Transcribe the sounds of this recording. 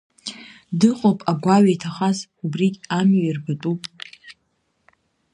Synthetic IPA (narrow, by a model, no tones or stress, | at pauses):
dɨqʷʼopʼaɡʷaɥajtʰaχazubrikʲʼamɥirbatʼupʼ